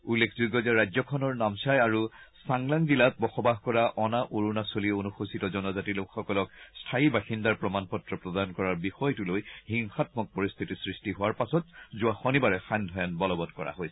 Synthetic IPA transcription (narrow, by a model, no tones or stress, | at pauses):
ulːekʰzuɡɔzɛɹajzɔkʰɔnɔɹnamsajaɹusaŋlaŋzilat̚bɔxɔbaɦkɔɹaʔɔnaʔoɹunasolionuxositɔzɔnɔzatilokxɔkɔlɔkstʰaibaxindaɹpɹɔmanpɔtɹɔpɹɔdankɔɹaɹbixɔjtulojhiŋxatmɔk̚pɔɹist̪ʰitisɹistiɦʊaɹpasɔtzuaxɔnibaɹɛxandʱɔjanbɔlɔbɔtkɔɹa̰ɦojsɛ̥